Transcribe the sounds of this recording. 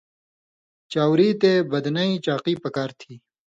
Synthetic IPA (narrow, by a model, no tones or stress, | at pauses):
t͡ɕaːwɾit̪eːbɐd̪nɐit͡ɕaːqiːpɐkaːɾt̪ʰiː